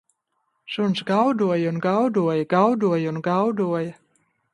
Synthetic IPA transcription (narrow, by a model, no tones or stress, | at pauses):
ʃunsɡawd̪uɔjunɡawd̪uɔjɐɡawd̪uɔjunɡawd̪uɔjɐ